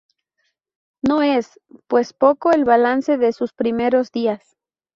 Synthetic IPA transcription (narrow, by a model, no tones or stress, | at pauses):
no̞e̞s | pwe̞spo̞ko̞elβalanse̞ðe̞suspɾime̞ɾo̞zðias